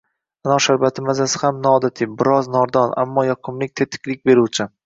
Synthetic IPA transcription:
anɒʃaɾbat̪ʰɪmazasɪhamnɒːd̪at̪ʰɪbɪɾɒznɒɾd̪ɒnʔa̰mːɒjɒqʰʊmlɪk̚ʲt̪ʰet̪ʰɪ̥kʲlɪk̚ʲbe̞ɾuwt͡ʃʰɪ

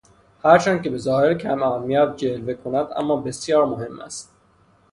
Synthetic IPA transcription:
hæɾt͡ʃʰænd̪kʲe̞be̞zɒːheɾcʲʰæmænːijæd̪̚d͡ʒelvekʰonæd̪æ̰mːɒːbe̞sjɒːɾmohe̞mːæ̰st̪

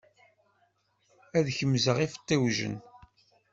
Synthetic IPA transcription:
æðçəmzəʁifə̥t̪ˤːiwʒə̰n

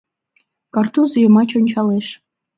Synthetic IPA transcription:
kɑrt̪uzojə̆mɑt͡ɕonʲt͡ɕɑleʃ

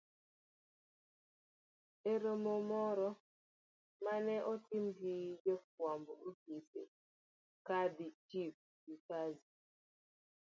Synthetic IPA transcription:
eɾomomɔɾɔ | manɛʔɔtimɡid͡ʒek̚wamboukisḛ | kadit͡ʃip̚ | dikazi

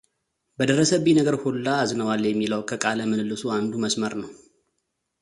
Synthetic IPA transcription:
bəd̪əɾəsəβinəɡəɾholːaːznəwaljɛmːiləwkʰəkʼaləmɨnɨlːɨsuand̪uməsməɾnəw

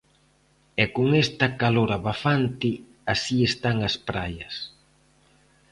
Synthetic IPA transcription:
ɛkoŋɛst̪ɐkaloɾaβafant̪ɪ | asiest̪aŋɐspɾajɐs

